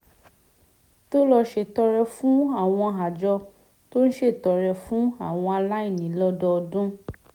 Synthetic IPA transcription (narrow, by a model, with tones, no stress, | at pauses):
to˦lɔ˧ʃe˧˨tɔ˧ɾɛ˧fũ˦a˦˨w̃ɔ̃˧ɦa˨d͡ʒɔ˧ | to˦ñ̩˦ʃe˦˨tɔ˨ɾɛ˧fũ˦a˦˨w̃ɔ̃˧a˧la˦i˦˨nĩ˨˦lɔ˦dɔ˧ɔ˧dũ˦